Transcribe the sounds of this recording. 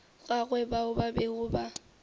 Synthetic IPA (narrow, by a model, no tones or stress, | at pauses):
ɣaɣwɛbaʊbabeɣʊba